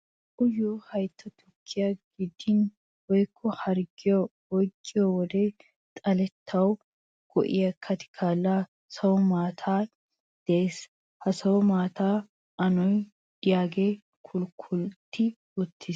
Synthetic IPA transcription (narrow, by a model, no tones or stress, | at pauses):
ʔʊjoːhɐjt̪ʰːɐt̪ʰʊkʰːɪjaɡɪd̪ːɪn | wɔjkʰːɔhɐɾɡɪjɔ | ɔjkʼːɪjɔwɔd̪eː | t̪ʼɐlɛt̪ʰːɐw | ɡ̥ɔ̰ʔɪ̰jɐkʰːɐt̪ɪ̥kʰaːlːa | sɐwɔmaːt̪ʰaː | d̪̥eːs | hɐsɐwɔmaːt̪aː | ʔɐnɔj | d̪ɪjaːɡeː | kʰʊlkʰʊlt̪ʰːɪ | ʊt̪ʰːɪs